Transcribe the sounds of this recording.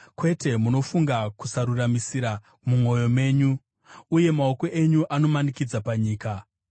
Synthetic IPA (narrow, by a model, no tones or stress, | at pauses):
kwe̞te̞muno̞fuŋɡaku̥saɾuramisiɾa | mumo̞jo̞me̞ːɲuː | je̞maoko̞ʔe̞ɲuʔano̞manikid͡zapaɲiːka